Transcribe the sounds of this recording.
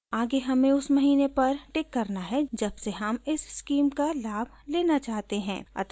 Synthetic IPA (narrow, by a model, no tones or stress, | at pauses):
aːɡeɦɐmẽʊsmɐɦiːnepɐɾʈɪkːɐɾnaɦɛd͡ʒɐbseɦɐmɪsskiːmkalaːbʱleːnat͡ʃaːɦt̪eɦɛ̰̃ːɐ̰t̪